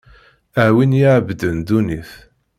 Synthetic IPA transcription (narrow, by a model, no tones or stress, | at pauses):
əʕwinjiʕbd̪ənd̪uniθ